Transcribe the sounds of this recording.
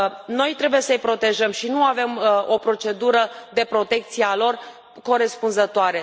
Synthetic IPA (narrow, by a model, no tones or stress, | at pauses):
no̞jt̪ɾe̞buje̞səɨjpɾo̞t̪e̞ʒəmʃinuave̞mo̞pɾo̞t͡ʃe̞d̪uɾəd̪e̞pɾo̞t̪e̞k̚t̪siealo̞r | ko̞ɾe̞spunzət̪oaɾe̞